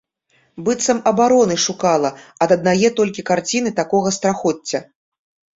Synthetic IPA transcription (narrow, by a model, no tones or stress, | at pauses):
bɨt̪sɐmɐbaɾɔnɨʂukalˠɐɐd̪ɐd̪najɛt̪ɔlʲkʲikart͡sʲinɨt̪akɔɣɐst̪ɾaxɔt͡sʲːɐ